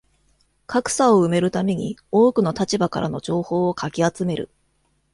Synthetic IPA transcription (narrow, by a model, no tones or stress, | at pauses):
kʰakɯ̟̥saoɯ̟me̞ɾɯ̟t̪ame̞ɲ̟io̞ːkɯ̟no̞t̪at͡ɕibakaɾʔa̰no̞d͡ʑo̞ːho̞ːokʰakʲiat͡sɨme̞ɾɯ̰